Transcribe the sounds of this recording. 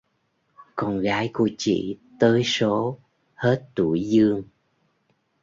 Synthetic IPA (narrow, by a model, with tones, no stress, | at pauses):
kɔ˧nɣaː˨˦jku˧˩ət͡ɕḭ˧˨t̪əː˨˦jso˨˦ | he˦˥t̚t̪u˧˩jzɨ˧əŋ